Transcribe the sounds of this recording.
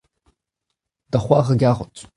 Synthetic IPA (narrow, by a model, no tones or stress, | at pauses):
d̥aχʷaʁaɡʲaʁʷət͡sʼ